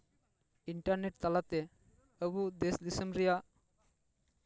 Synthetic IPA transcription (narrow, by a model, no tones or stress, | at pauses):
iɳʈaɾneʈ̚t̪alat̪ɛ | əbud̪esd̪isəmɾɛjaʔ